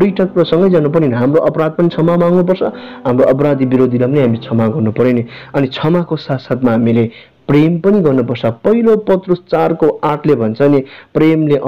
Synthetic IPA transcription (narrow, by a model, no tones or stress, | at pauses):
iʈʰʌkprosʌŋɡʌjd͡zanup̬ʌɾinʌɦamroʔʌpɾad̪̚pʌnit͡sʰʌmamaŋnup̬ʌrt͡sʰʌɦamroʔʌp̬ʌɾad̪ibiɾod̪ʱilapʌniɦamilet͡sʰʌmaɡʌrnupʌɾeneʌnit͡sʰʌmakosat̪sat̪maɦamile | prempʌniɡʌrnupʌrt͡sʰʌpʌɦilopʌt̪rust͡sarkoaʈʰlebʱʌnt͡sʰʌnepremleʔ